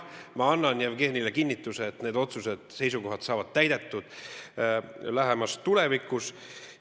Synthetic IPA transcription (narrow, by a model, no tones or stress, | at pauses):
mɑɑnːɑnjævɡe̞ːnilekinʲːit̪ːˑuseːt̪ːne̞ːd̪o̞t̪sused̪̥se̞js̬uko̞ɦɑt̪sɑːvɑd̪̥t̪æjd̪̥e̞t̪ːˑud̪̥ | læɦemɑst̪ule̞vikˑus